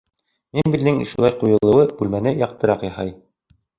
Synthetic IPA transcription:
minbild̪ɘŋʃulˠɑjqujɤ̆lˠɤ̆wɤb̥ʉlmænɘjɑq̚t̪ɤ̆ɾɑqjɑhɑ̰j

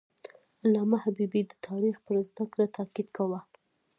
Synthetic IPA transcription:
lɑmahabibid̪ət̪ʰɑɾixpəɾzd̪akɾat̪ʰakid̪kawa

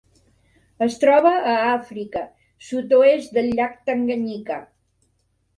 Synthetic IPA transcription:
əst̪ɾɔβəːafɾikə | sut̪oesd̪əlːak̚t̪əŋɡəɲika

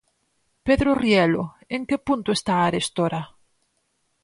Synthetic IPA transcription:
peðɾorielo | eŋkepunt̪oest̪aːɾest̪oɾa

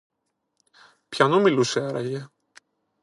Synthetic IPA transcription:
pçɐnomiluseɐɾɐ̰ʝe

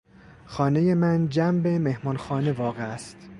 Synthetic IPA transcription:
xɒːne̞je̞mænd͡ʒæmbe̞me̞hmɒːnxɒːne̞vɒːɣeæst̪

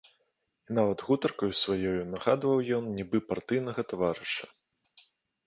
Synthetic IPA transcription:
inavɐd̪ɣut̪ɐrkɐjusvajɔjunɐɣad̪vɐwjɔnnʲibɨpart̪ɨjnɐɣɐt̪avaɾɨʂɐ̥

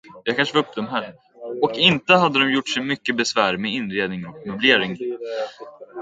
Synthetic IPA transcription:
jakʰanʂəvaɵp̚ːd̪ɔmɦæːɾ | ɔkɪnt̪əɦad̪ːəd̪ɔmjʊʈːʂɛjmʏkːəbɛsvæːɾmɛɪnːɾeːd̪nɪŋɔkmɵbleːɾɪŋ

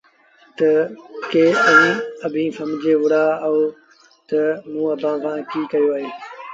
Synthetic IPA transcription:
t̪ɐkeːə̃ɐbʱĩːsɐ̃md͡ʑeɦʊɽaɦoː | t̪ɐmũːɐbʱãːʋãːkiːkɐjoaːɦeː

